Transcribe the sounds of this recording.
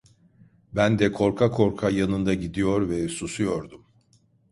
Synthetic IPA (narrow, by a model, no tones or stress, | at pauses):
bænd̪ɛkʰo̞ɾkʰakʰo̞ɾkʰajanɯnd̪aɟid̪ijo̞ɾvɛsusujoɾd̪um